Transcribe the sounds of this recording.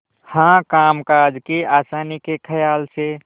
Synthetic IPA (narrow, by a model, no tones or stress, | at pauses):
hãkaːmkaːd͡ʒkeaːsaːnikekʰəjaːlse